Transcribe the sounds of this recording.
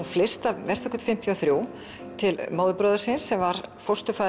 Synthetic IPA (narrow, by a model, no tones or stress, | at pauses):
unflɪst̪avɛr̥t̪ɔkːʏt̪fɪm̥t̪ʰjiɔaθɾjuw | t̪ʰɪlmoːwðʏpɾɔːðʏɾsɪnsːɛmvaɾfowst̪ʏfa